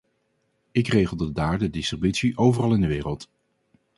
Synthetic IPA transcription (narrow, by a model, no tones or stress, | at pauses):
ɪkrejχəlˠdədaːɹdədɪstribytsiʔowvərɑlˠɪndəʋɪːrəlˠt